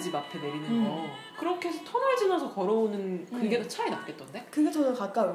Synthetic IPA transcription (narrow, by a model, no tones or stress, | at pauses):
d͡ʑimapʰeneɾinɯnʌ | kɯɾʌkʰeesʰʌtʰʌnɯɭd͡ʑinasʰʌkʌɾʌonɯnkɯŋɡe̞dat͡ɕʰaenap̚k͈et͈̚ʌnde̞kɯɡe̞t͡ɕʌnɯnkak͈̚a